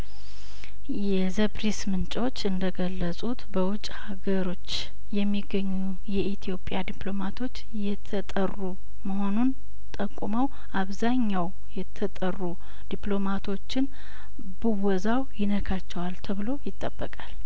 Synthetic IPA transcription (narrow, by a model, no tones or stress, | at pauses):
jɛzəbɾismɨnt͡ʃʼwo̞t͡ʃːɨnd̪əɡəlːəsʼut̪bəwʊt͡ʃʼhaɡəɾo̞t͡ʃː | jɛmːiɡːəɲːu | jɛʔit̪ʰijo̞pʼjad̪ipʰlo̞mat̪ʰo̞t͡ʃː | jɛt̪ʰət̪ʼərːu | məho̞nun | t̪ʼəkʼuməw | ʔaβzaɲːaw | jɛt̪ʰət̪ʼərːu | d̪̥iplo̞mat̪ʰo̞t͡ʃːɪn | bɨwɔzawjɪnəkʰat͡ʃːɛwalt̪ʰəβɨlo̞jɪt̪ʼːəbːəkʼal